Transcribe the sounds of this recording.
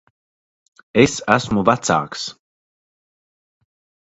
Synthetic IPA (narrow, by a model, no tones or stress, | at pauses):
esæsmuvat̪sa̰ːks